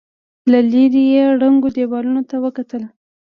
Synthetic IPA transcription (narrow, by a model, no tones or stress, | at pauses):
laliɾijeɽaŋɡod̪ewɑlunot̪awəkat̪əl